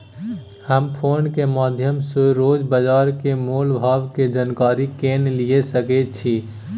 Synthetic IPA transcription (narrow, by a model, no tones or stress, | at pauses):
həmpʰoːnkemaːd̪ʱjəmseɾoːd͡ʒbəd͡ʒaːɾkemoːlbʱaːbked͡ʒaːnkaːɾikeːnlijesəket͡ʃʰi